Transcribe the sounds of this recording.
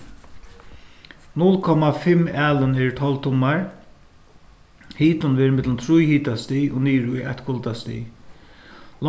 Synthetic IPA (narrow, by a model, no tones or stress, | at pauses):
nʊlkʰɔmafɪmæːlənɛɹt̪ʰɔlt̪ʰʊmaɹ | hiːt̪ʊnʋɛːɾmɪt̪ləmt̪ʰɾujhiːt̪ast̪iːo̰ːniːɾʊjaht̪kʰʊlt̪ast̪ḭː | l